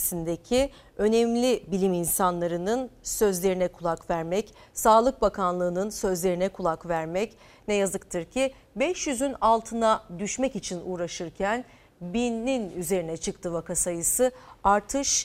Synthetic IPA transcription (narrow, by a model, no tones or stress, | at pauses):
sind̪ecʰi | ø̞nɛmlʲibilʲiminsanlˠaɾɯnɯnsø̞zlʲe̞ɾinɛkʰulˠakvæɾmɛc | saːlˠɯk̚bakʰanlˠɯːnɯnsø̞zlʲe̞ɾinɛkʰulˠakvæɾmɛc | nɛjazɯkt̪ʰɯɾcʰi | bɛʃjyzynalˠt̪ʰɯnad̪yʃmɛcit͡ʃʰinuːɾaʃɯɾcʰæn | binːinyze̞ɾinɛt͡ʃʰɯk̚t̪ʰɯvakasajɯsɯaɾt̪ʰɯʃ